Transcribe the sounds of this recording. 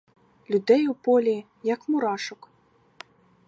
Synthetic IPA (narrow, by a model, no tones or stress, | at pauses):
lʲud̪ɛjupɔlʲi | jɐkmuɾaʂʊk